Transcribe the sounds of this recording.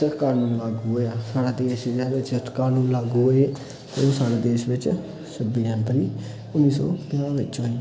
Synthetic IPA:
ətkaːɾnũːnlaːɡuɦoaːsaːɽaːd̪eːʃd͡ʒaːʋɪt͡ʃtkaːɾnũːnlaːɡuːɦoe | t̪eõːsaːɽaːd̪eːʃʋɪt͡ʃ | səbiːə̃npəliː | ʊnːiːsɔ̰ːpaːʋɪt͡ʃɦoːi

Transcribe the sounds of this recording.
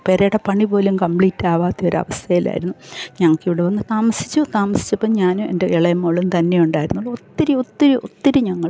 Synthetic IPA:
peːɾɐjɽɐpɐɳipo̞ːlumkɐmpɭiːtːaːʋaːt̪ːio̞ɾɐ̰ʋɐst̪ʰɐjila̰ːjḭɾunːuɲɐŋːɐkːiʋiɽeʋɐnːɨt̪aːmɐsi̥t͡ɕːut̪aːmɐsi̥t͡ɕːɐpːoːɲaːnɨḛndeiɭɐjɐmːoɭːunt̪ɐnːejuɳɖaːjiɾunːulːot̪ːiɾuot̪ːiɾuʔoːiɾuɲɐŋːɐɭ

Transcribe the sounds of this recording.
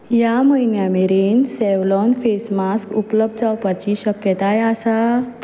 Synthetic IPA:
jaməinjameɾiːnsɛʋlɔnfesmaskupləb̚d̪d͡zawpat͡ɕiɕəkjət̪ajasa

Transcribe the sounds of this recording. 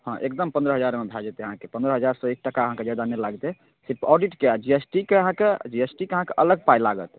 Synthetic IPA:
hɔ̃ʔek̚d̪əmpənd̪ɾəɦəd͡ʒaɾmebʱɛd͡ʒet̪eəɦãkepə̃nd̪ɾəɦəd͡ʒaɾsɔek̚ʈəkaəɦãked͡ʒad̪anelaɡt̪e | seɔɖiʈkead͡ʒiesʈikeəɦãked͡ʒiesʈikeəɦãkeʔələɡ̚pajlaɡə̰t̪

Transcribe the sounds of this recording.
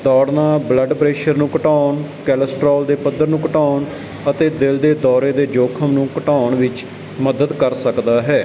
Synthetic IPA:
d̪ɔːɽnaːbləɖpɾeːʃəɾnũːkəʈaːɳkɛːləsʈɾɔːld̪eːpəd̪əɾnũːkəʈaːɳ | ət̪eːd̪ɪld̪eːd̪ɔːɾeːd̪eːd͡ʒoːkʰəmnũːkəʈaːɳʋɪt͡ʃ | məd̪əd̪kəɾsəkd̪aːɦɛː

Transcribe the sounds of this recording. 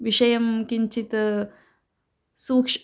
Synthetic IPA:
ʋiʂɐjɐmkiɲt͡ʃit̪ɐ | suːkʂ

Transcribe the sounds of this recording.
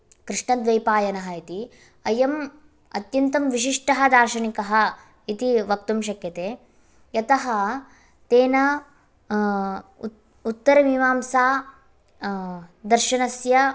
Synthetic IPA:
kɾiʂɳɐd̪ʋɐjpaːjɐnɐɦɐit̪i | ɐjɐm | ɐ̰t̪jɐnt̪ɐmʋiʃiʂʈɐɦɐd̪aːɾʃɐnikɐɦɐ̆ | it̪iʋɐk̚t̪umʃ̬ɐkjɐt̪eː | jɐt̪ɐɦɐ | t̪eːnɐ | ut̪ːɐɾɐmiʋaːmsaː | d̪ɐɾʃɐnɐsjɐ

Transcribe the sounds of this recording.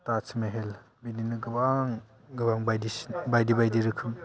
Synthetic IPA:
tat͡ʃʰmeɦel | bininɯɡɯbaŋ | ɡɯbaŋbajdibajdibajdiɾɯkʰɯm

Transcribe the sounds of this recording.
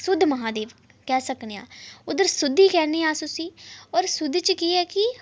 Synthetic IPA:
sʊd̪ʱːməɦãːd̪eːʋ | kɛːsəkneːã̰ːʊd̪əɾsʊd̪ʱːiːkɛːneːaːsʊsiːɔːɾsʊd̪ːt͡ʃəkiːɛːkɪ

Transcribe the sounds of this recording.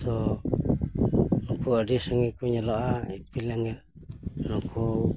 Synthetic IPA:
t̪o | nukʰuadisaŋikuɲaloʔaipilaŋɛl | nukʰu

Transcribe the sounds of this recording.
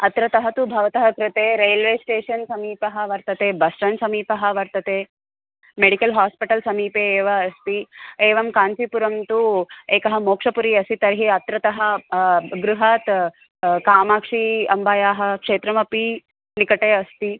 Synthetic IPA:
ɐt̪ɾɐt̪ɐɦɐt̪ubʱɐʋɐt̪ɐɦɐkɾɪt̪eːɾeːlʋeːsʈeːʂɐnsɐmiːpɐɦɐʋɐɾt̪ɐt̪eːbɐsʈɐnsɐmiːpɐɦɐʋɐɾt̪ɐt̪eː | meɽikɐlɦaːspiʈɐlsɐmiːpeːʋɐɐst̪ieːʋɐmkaːnsipuɾɐmt̪ueːkɐɦɐmoːkʂɐpuɾiɐst̪it̪ɐɾɦiɐt̪ɾɐt̪ɐɦɐ | ɡɾuɦaːt̪ | kaːmaːkʂiɐmbaːjaːɦɐkʂeːt̪ɾɐmɐpi | likɐʈeːɐst̪i

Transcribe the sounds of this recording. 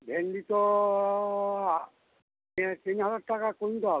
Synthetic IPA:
bʱenɖit̪o | t̪inɦazaʈʈakakunt̪oɦɔ

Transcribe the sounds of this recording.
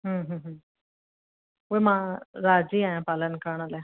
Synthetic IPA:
ɦə̃ːɦə̃ːɦə̃ː | ujmãɾad͡ziːãjãpalənkaɳ̃alɛ

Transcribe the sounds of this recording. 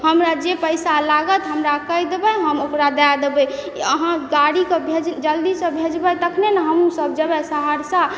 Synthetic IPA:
ɦəmɾad͡ʒepəjsalaɡət̪ɦəmɾakəjd̪ebəɦəmokɾad̪ad̪ebɛ | əɦãɡaɽikebʱed͡ʒd͡ʒəld̪isə̃bʱed͡ʒbət̪əkʰnenəɦəmusəb̚d͡ʒəbɛsaɦəɾsa

